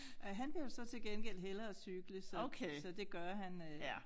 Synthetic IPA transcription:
ɦænb̥liɐsɒ̽t͡sʰe̝lɡ̥enɡ̥el̰ɦelɐsyɡ̥ləsɒokʰesɒ̽d̥e̝ɡ̥ɶɐɦæn

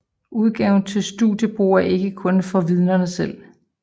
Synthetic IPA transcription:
ʔuð̞ˠɡ̥ɛʊn̩t͡sʰe̝lsd̥udjəb̥ʁṵːɐʔe̝ɡ̥əkʰɔ̽nfɒ̽ʋið̞ˠnɐnəsel̰

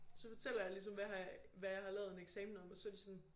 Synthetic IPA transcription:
sɒ̽fɒ̽t͡sʰel̰ɐjɑ̈lis̬ɒ̽mʋæɦɑʋæjɑ̈ɪhɑ̈lɛːʊð̞ˠe̝neɡ̥sɛːmn̩ɒ̽mɒ̽sɒ̽ɐd̥isɔ̽n

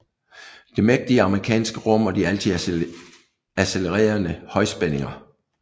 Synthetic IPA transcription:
d̥e̝meɡ̥̚d̥iəɑ̈məʁikʰɛ̰ːnsɡ̥əʁɔ̽m̰ɒ̽d̥iæl̰t͡sʰi | æseləʁɛ̰ːɐnəhɒ̽ɪsb̥ene̝ŋɐ

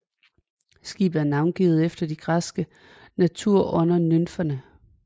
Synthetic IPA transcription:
sɡ̥ḭːb̥̩ˠæɐnɑ̈ʊnɡ̥ḭːð̩ˠefd̥ɐd̥iɡ̥ʁasɡ̥ə | næt͡sʰuɐ̰ʔɔ̽nɐnønfɐnə

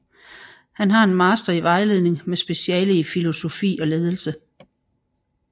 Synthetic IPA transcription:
hænɦɑ̈e̝nmɑ̈ːsd̥ʁɐiʋɑ̈ɪle̝ðˠne̝ŋmesb̥e̝ɕiɛ̰ːləifilo̝so̝fḭːɒ̽le̝ːð̞ˠəl̩sə

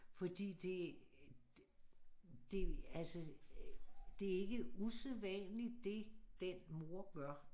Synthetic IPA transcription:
fɒ̽d̥ḭːd̥e̝ | d̥e̝ælsə | d̥e̝æɐe̝ɡ̥əuseðˠʋɛnli̥e̝d̥enmo̝ɐɡ̥ɶɐ̰

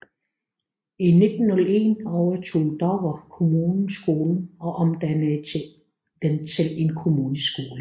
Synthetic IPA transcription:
ine̝d̥n̩ːɔləe̝̰nɒʊɐt͡sʰo̝̰ːd̥ɒʋɑkʰo̝muːn̩sɡ̥o̝ːln̩ɒ̽ʔɒmd̥æn | d̥ent͡sʰe̝le̝nkʰo̝muːnəsɡ̥o̝ːlə

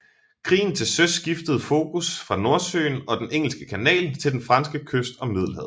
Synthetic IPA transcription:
kʰʁḭːn̩t͡sʰe̝lsøsɡ̥ifd̥əð̞̩ˠfo̝ːkʰusfʁɑ̈no̝ɐsø̰ːnɒ̽d̥eneŋ̰l̩sɡ̥əkʰænɛ̰ːlt͡sʰe̝ld̥enfʁɑ̈nsɡ̥əkʰøsd̥ɒ̽mið̞̰ˠl̩ˠɦɛð̰ˠ

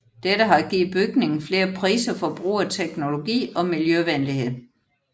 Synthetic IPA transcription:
d̥edəɦɑ̈ɡ̥ḭːð̩ˠb̥yɡ̥ne̝ŋn̩fle̝ːɐpʰʁḭːsɐfɒ̽b̥ʁṵːɐt͡sʰeɡ̥no̝lo̝ɡ̥ḭːɒ̽miljøʋænlihe̝ð̰ˠ

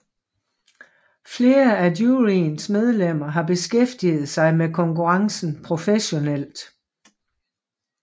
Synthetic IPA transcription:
fle̝ːɐædjuʁinsmeð̞ˠlem̰ɐɦɑ̈b̥e̝sɡ̥efd̥ið̞̩ˠsɑ̈ɪmekʰɒ̽ŋkuʁɑ̈ŋsn̩pʰʁo̝feɕo̝nel̰d̥

